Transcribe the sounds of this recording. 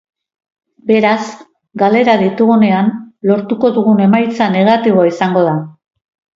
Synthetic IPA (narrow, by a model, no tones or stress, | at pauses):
be̞ɾaz | ɡale̞ɾaðit̪uɣune̞anlo̞ɾt̪uko̞ðuɣune̞majt͡sane̞ɣ̞at̪iβo̞aisaŋɡo̞ð̞a